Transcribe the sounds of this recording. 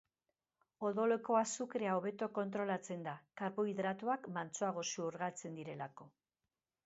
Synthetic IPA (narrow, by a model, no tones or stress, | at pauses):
o̞ðo̞le̞ko̞asukɾe̞ao̞β̞e̞t̪o̞ko̞nt̪ɾo̞lat͡se̞nd̪akaɾpoiðɾat̪uakmant͡soaɣ̞o̞suuɾɣat͡se̞nd̪iɾe̞lako̞